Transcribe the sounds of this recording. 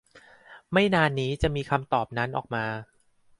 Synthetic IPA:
ma˥˩jnaː˧nːiː˦˥t͡ɕa˨˩ʔmiː˧kʰa˧mt̪ɔː˨˩p̚na˦˥nʔɔː˨˩k̚maː˧

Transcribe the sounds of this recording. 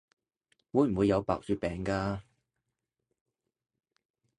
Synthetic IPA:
wuː˨˧˥jm̩˨˩wuː˨˧jːɐ˨˧wpa̰ː˧k̚syː˧t̚pɛː˨ŋkaː˧

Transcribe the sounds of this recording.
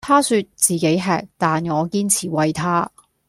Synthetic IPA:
t̪ʰaː˥syː˧t̚t͡siː˨˩ke˨˥jɦɛ̰ː˨˧k̚t̪aː˨nŋɔː˨˧kiː˥nt͡sʰiː˨˩wɐ˨jt̪ʰaː˥

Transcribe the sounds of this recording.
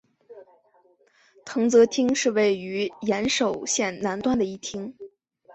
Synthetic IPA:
t̪ʰɤ˧˥ŋt͡sɤ˧˥t̪ʰi˥ŋʂɻ̩˥˧we˥˩ɪy˧˥jɛ˧˥nʂo˨˩ʊɕjɛ˥˩nna˧˥nt̪wa˥˩nd̪ə˩i˥˩t̪ʰi˥ŋ

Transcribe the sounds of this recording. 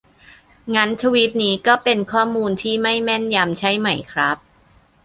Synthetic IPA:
ŋa˦˥nt͡ɕʰa˧wi˦˥t̪̚niː˦˥kɔː˥˩pe˧nkʰɔː˥˩muː˧nt̪ʰiː˥˩ma˥˩jmɛ˥˩nja˧mt͡ɕʰa˦˥jma˨˩jkʰɾa˦˥p̚

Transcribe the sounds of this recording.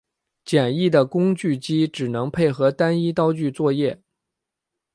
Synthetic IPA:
t͡ɕjɛ˨˩ni˥˩d̪ə˩kʊ˥ŋt͡ɕy˥˩t͡ɕi˥ʈ͡ʂɻ̩˨˩nɤ˧˥ŋpʰe˥˩ɪxɤ˧˥t̪a˥ni˥t̪ɑ˥ʊt͡ɕy˥˧t͡swɔ˥˧jɛ˥˩

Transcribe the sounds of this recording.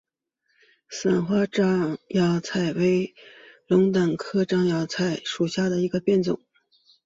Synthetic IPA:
sa˨˩nxwa˥ʈ͡ʂɑ˥jɑ˧˥ʊt͡sʰa˨˩ɪwe˧˥ɪlʊ˧˥ŋt̪a˨˩ŋkʰɤ˥ʈ͡ʂɑ˥ŋjɑ˧˥ʊt͡sʰa˨˩ɪʂu˨˩ɕja˥˩d̪ə˩i˧˥ɡə˧pjɛ˥˩nt͡sʊ̰˨˩˦ŋ

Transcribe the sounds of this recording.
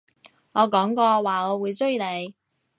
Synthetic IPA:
ŋɔː˨˧kɔː˨˥ŋkɔː˧waː˨ŋɔː˨˧wuː˨˧jt͡sɵ˥jle˨˧j

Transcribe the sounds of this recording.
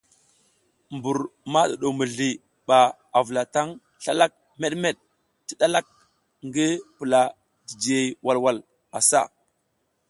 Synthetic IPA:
mbu˨ɾma˦ɗa˨ɗo˨mə˨ɮi˨ | ɓa˨ | a˨və˨la˨ta˦ŋ | ɬa˦la˦k̚ | me˦ɗme˦˨ɗ̚ | ti˦ɗa˦la˦k̚ | ŋɡi˦pə˨la˨ | di˨d͡ʒi˨je˨jwa˨lwa˦l | a˨sa̰˦˨

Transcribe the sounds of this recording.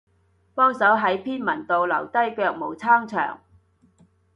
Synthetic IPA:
pɔː˥ŋsɐ˨˥wɦɐ˨˥jpʰiː˥nmɐ˨˩nt̪o˨wlɐ˨˩wt̪ɐ˥jkœː˧k̚mo˨˩wt͡sʰaː˥ŋt͡sʰœ̰ː˨˩ŋ

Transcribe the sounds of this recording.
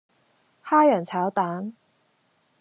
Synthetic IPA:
xa˥ɥɛ˨˩nt͡sʰa˧˥ʊt̪a˧˥ŋ

